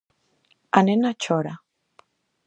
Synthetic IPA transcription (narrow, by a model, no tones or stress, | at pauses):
anenat͡ʃʰoɾa